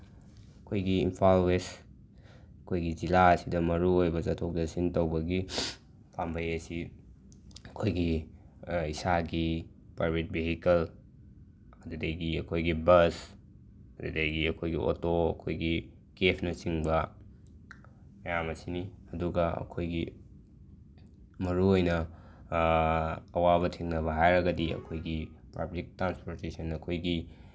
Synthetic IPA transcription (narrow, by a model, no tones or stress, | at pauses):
ɐkʰojɡiːmpʰalwes | ɐkʰojɡid͡ʒilaɐsidɐmɐɾuojbɐzɐtʰok̚dɐsintɐwbɐɡi | pʰambʱɐjɐsi | ɐkʰojɡi | isaɡi | pɾajbʱet̚biɦikɐl | ɐdudejɡiɐkʰojɡibɐs | ɐdudejɡiɐkʰojɡiʔo̰toɐkʰojɡi | kepʰnɐsiŋbɐ | mɐjamɐsiniɐduɡɐɐ̰kʰojɡi | mɐɾuojnɐ | waβɐtʰiŋnɐβɐɦajɾɐɡɐdiɐ̰kʰojɡipa̰blik̚tɾanspoɾtesɐnɐkʰojɡi